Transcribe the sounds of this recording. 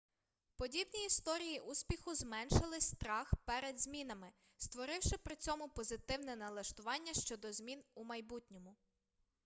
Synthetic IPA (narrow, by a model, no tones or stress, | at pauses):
pɔdʲibnʲiist̪ɔɾʲijiʔusʲpʲixʊzmɛnʃɐlˠɪsʲt̪ɾɑxpɛɾɛd̪zʲmʲinɐmɪ | st̪ʋɔɾɪwʃɪpɾɪt͡sʲɔmʊpɔzɪt̪ɪwnɛnɐlˠɐʃt̪ʊʋɑnʲːɐʃt͡ʃɔd̪ɔzmʲinumɐjbutʲnʲɔmʊ